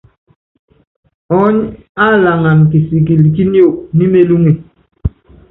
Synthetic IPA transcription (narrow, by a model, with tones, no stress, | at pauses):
ɔ˨˦ɲa˦˨la˨ŋa˨ŋ˨ki˨si˨k̬i˨lki˦njo˦˨k̚mi˦me˦lu˦ŋi˨